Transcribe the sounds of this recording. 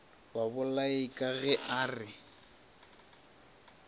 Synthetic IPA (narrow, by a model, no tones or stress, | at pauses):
babʊlaikʼaɣɛʔaːrɪ